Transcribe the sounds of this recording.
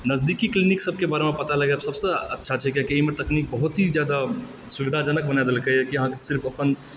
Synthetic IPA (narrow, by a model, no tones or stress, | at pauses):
nəzd̪ikikliniksəb̚ʱkebaɾemepət̪aləɡɛbsəbsəətːʃʰat͡ʃʰɛkakiəɦimet̪əknik̚bəɦut̪ɦid͡ʒjad̪a | suʋid̪ʱad͡ʒənək̚bənajd̪elkəkiəɦãkesɪɾpʰəpən